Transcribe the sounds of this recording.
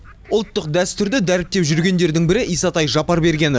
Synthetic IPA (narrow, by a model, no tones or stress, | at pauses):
ʊlˠt̪ːəq̚d̪æst̪ʏɾd̪ɪd̪æɾɪp̚t̪ːe̞pʒʏɾɡʲe̞nd̪e̞ɾd̪ɪŋbɪɾɪʔijsɑt̪ɑjʒɑpɑɾbe̞ɾɡʲe̞n